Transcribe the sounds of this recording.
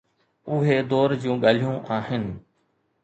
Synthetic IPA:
ʊɦed̪ɔːɾd͡ʑũːɠaːl̤ijũʔaːɦɪnɪ̆

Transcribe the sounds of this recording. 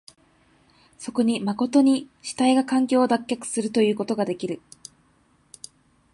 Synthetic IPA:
so̞ko̞ɲ̟imako̞t̪o̞ɲ̟iɕi̥t̪aiɡakãŋkʲo̞ːd̪akʲːakɯ̥sɨɾɯ̟t̪o̞jɯ̟ːko̞t̪o̞ɡad̪e̞kʲiɾɯ̟

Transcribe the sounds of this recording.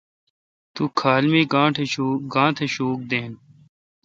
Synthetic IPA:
t̪uːkʰaːlmiːɡãːʈʰeɡãːt̪ʰeʃoːk̚d̪eːn

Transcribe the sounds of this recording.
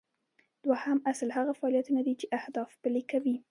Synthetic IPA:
d̪̥wahamaslhaɣafaɑljat̪unad̪it͡ʃeʔahd̪ɑfpəlekawi

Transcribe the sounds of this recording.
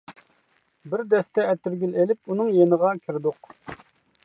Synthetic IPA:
bɪɾd̪ɛst̪ɛɛt̪ɪɾɡʲylelɪpunɨŋjenəʁɑkʲʰiɾɪd̪ʊq

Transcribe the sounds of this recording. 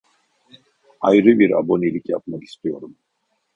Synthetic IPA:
ajɾɯbiɾa̰bo̞nilʲicja̰p̚maki̥st̪ʰijo̞ɾum

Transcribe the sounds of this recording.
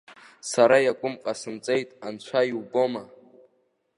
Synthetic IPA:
saɾajakʷʼʊmqʼasɨmt͡sʼe̞jtʼant͡ɕʷʰaiwboma

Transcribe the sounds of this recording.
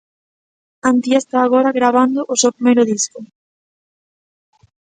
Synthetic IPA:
ant̪jest̪aːɣ̞ɔɾaɣɾaβ̞and̪ʊʔʊsewpɾimejɾʊðiskʊ

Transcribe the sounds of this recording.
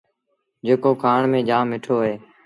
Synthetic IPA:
d͡ʒeːkoːkʰaːɳmẽːd͡ʒaːmːɪʈʰoːɦeː

